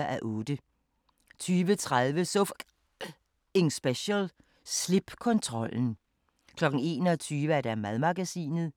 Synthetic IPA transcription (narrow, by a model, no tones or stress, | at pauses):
ʔæʔɔ̽ːd̥ə | t͡sʰyːʋət͡sʰʁaðˠʋəsof | e̝ŋsb̥eɕəl | sleb̥kʰɔ̽nt͡sʰʁɒ̽l̰n̩ | kʰlɒ̽ɡ̥n̩e̝̰ːnɒt͡sʰyːʋəæɐd̥æmæðˠmɑ̈ɡ̥æsḭːnð̩ˠ